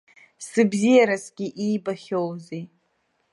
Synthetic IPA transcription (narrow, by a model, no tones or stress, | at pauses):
sɨbzijaɾasɡʲiʔiːbaχʲowzi